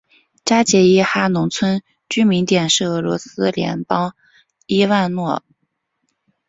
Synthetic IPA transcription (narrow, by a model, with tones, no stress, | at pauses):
ʈ͡ʂa˥t͡ɕjɛ˧˥i˥xa˥nʊ˧˥ŋt͡sʰwə˥n | t͡ɕy˥mi˧˥nt̪jɛ˨˩nʂɻ̩˥˩ɤ˧˥lwɔ̰˧˥sɹ̩˥ljɛ̰˧˥npɑ˥ŋ | i˥wa˥˧nnwɔ˥˩